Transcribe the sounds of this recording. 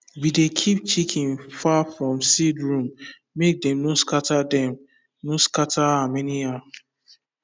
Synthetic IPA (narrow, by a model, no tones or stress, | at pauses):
bidekʰip̚t͡ʃikʰĩŋfafɹɔ̃msidɹũmː | ek̚dɛ̃mnoskatadɛ̃m | noskataamɛnia